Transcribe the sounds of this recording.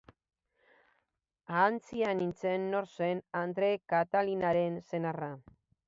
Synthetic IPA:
aːnt͡sianint͡se̞nːo̞ɾse̞nand̪ɾe̞kat̪alinaɾe̞nse̞nara

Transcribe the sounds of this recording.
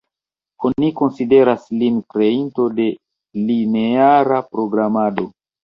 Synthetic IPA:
oniko̞nside̞ɾaslinkɾe̞into̞de̞ | line̞aɾapɾo̞ɡɾamado̞

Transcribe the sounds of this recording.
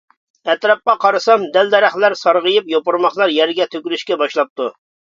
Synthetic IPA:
ɛt̪ɾɑp̚qɑqʰɑɾɨsɑmd̪ɛld̪ɛɾæχlæɾsɑɾʁəjɨpjopʊɾmɑχlˠɑɾjɛɾɡʲɛt̪ʰøkʲylyʃkʲɛbɑʃlˠɑp̚t̪ʰu

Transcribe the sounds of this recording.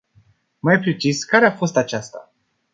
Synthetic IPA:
majpɾe̞t͡ʃiskaɾeafo̞st̪at͡ʃast̪a̰

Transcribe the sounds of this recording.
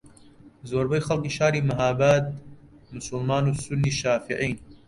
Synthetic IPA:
zoːɾbɐjxɐlkiːʃaːɾiːmɐɦaːbaːt̪̚ | mʊsʊlmaːnuːsʊnːiːʃaːfiʕijn

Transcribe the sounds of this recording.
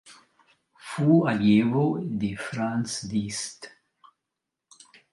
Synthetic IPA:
fualjevod̪efɾansd̪ist̪

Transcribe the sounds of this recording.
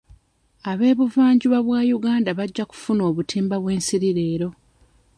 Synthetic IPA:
aβe̞ːβuvaːɲɟuβaβwaːjuɡaːndaβaɟːaku̥funo̞ːβutʰiːmbaβwe̞ːnsiɾiɾe̞ːɾo̞

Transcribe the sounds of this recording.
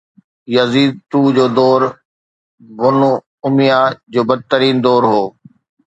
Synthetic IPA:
jɐziːd̪̚t̪uːd͡ʑoːd̪ɔːɾ | ɡʊno | ʊmijad͡ʑoːbɐd̪̚t̪əɾiːnd̪ɔːɾɦoː

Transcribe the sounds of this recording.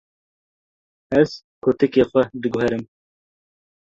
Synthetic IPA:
ɛz̥ | kʰot̪ɨkeːxʷɛd̪ɨɡʊhɛɾɨm

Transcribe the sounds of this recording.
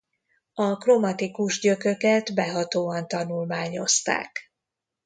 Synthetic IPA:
ɒkromɒt̪ikuʒɟøkøkɛt̪bɛɦɒt̪oːɒnt̪ɒnulmaːɲo̞st̪a̰ːk

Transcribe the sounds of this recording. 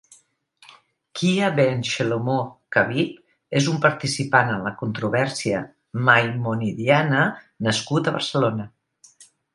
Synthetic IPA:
kʰiaβenʃelomokaβip | ezumpəɾt̪isipanənləkunt̪ɾuβɛɾsiə | majmoniðianə | nəskut̪əβə̰rsəlonə

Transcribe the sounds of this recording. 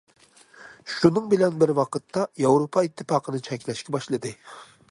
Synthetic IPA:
ʃunɨŋbɪlɛnbɪɾwɑqʰət̪ʰːɑjɑwɾopʰɑit̪ʰːɨfɑːqʰənɨt͡ʃʰɛkʲlɛʃkʲɛbɑʃlˠɨd̪ɨ

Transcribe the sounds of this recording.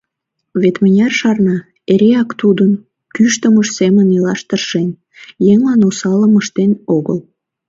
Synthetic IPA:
βet̪mənʲɑrʃɑrnɑ | eɾeɑkt̪ud̪ən | kyʃt̪əməʃsemənilɑʃt̪ərʃen | jeŋlɑnosɑləməʃt̪enoɣəl

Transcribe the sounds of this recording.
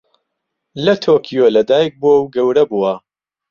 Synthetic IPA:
lɐt̪ʰoːkʰijolɐd̪aːjk̚buwɐwɡɐwɾɐbuwɐ

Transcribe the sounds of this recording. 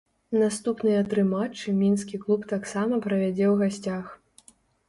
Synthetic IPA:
nast̪upnɨjɐt̪ɾɨmat͡ʂːɨmʲinskʲiklˠupt̪aksamɐpɾɐvʲad͡zʲɛwɣasʲt͡sʲax

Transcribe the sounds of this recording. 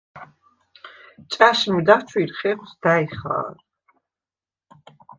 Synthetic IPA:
t͡ʃʼaʃmid̪at͡ʃʰwiɾχɛʁwsd̪aiχa̰ːɾ

